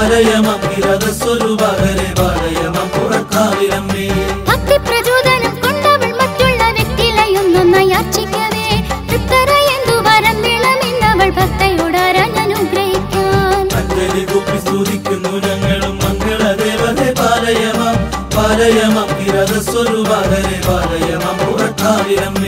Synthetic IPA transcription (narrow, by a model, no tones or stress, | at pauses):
ɾɐjɐmɐŋɡiɾɐðɐsʋɐɾubɐðɐɾepaːɾɐjɐmɐmkuɽɐkːaːʋiɾɐmeːbʱɐk̚t̪ipɾɐd͡ʒoːd̪ɐnɐmkɔɳɖɐʋɐɭmɐʈɾuɭːɐʋjɐk̚t̪ilɐjonːɐnːɐjaːt͡ʃikʲːɐʋeːut̪ːɐɾɐjend̪uʋɐɾɐmʋeɭɐmend̪ɐʋɐɭbʱɐk̚t̪ɐjuɽaːɾɐnɐnuɡɾɐɦikːaːnɐnd̪eliɡopːisuːd̪ikːɯnuɾɐmeːɭumːɐŋɡɐɭɐd̪eːʋɐðepaːɾɐjɐmɐ | ʋaːɾɐjɐmɐmɡiɾɐd̪ɐsʋɐɾubaːɾɐɾebaːɾɐjɐmɐmuɾɐkːaːʋiɾɐme